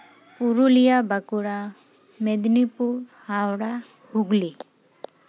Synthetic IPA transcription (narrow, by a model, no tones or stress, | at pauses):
puɾulijabakuɽa | mɛd̪nipuɾhawɽa | huɡli